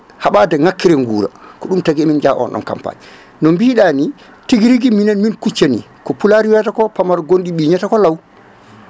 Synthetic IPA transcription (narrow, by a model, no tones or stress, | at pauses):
haɓadɛŋakːiɾɛŋɡuːɾa̰kɔɗumtaɡɛmind͡ʒaʔɔ̰nɔ̰nka̰mpa̰ɲi | nɔmbiːɗaːni | tiɡiɾiɡiminɛnminkut͡ʃːanḭ | kɔpulaɾiwɛtakɔpamaɾɡondiɓiːɲatakɔlaw